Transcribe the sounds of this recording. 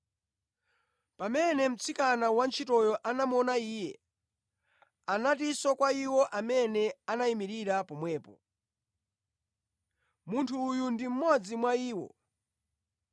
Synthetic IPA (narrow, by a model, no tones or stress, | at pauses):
pamɛnɛm̩t͡sʰikanawant͡ʃʰitɔjɔʔanamɔnaiːjɛ | anatisɔkwaiwɔʔamɛnɛanaimiɾiɾapɔmwɛːpɔ̰ | muntʰuːjundim̩mɔd͡zimwaiːwɔ̰